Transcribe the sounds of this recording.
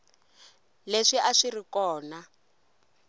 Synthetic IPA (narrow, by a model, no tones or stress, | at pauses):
leʂiʔaʂirikɔːna